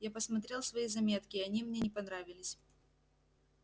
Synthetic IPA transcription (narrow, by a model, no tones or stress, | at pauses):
japəsmɐt̪ɾʲe̞lˠsvɐizɐmʲe̞t̪kʲɪɐnʲimnʲenʲɪpɐnɾavʲɪlʲɪsʲ